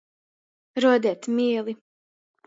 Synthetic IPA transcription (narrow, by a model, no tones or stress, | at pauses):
ɾuɔd̪iɛt̪miɛlˠi